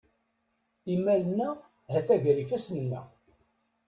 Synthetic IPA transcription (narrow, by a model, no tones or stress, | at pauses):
imælənːæ | hæθæʝɾifæsnənːæ̰